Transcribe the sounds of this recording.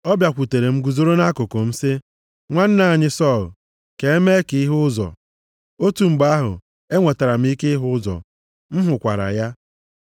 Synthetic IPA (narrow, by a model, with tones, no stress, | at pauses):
ɔ˦bja˨kʷu˨te˨ɾe˨ŋ͡m̩˦ɡu˨zo˦ɾo˦na˦kʊ˨ko˨m̩˦sɪ˦ | ŋʷa˦n̩˦na˦˨a˨ɲɪ˦sɔ˦˨l | ke˨e˦me˦e˦ki˨˦i˦ɦʊ˦ʊ˦zɔ̰˨ | o˦tu˨ŋ͡m̩˨ɡ͡ba˦ɦʊ̰˨ | e˦ŋʷe˨ta˨ɾa˨m̩˦i˦ke˦i˦ɦʊ˦ʊ˦zɔ̰˨ | m̩˦ɦʊ˨kʷa̰˨ɾa̰˨ja˦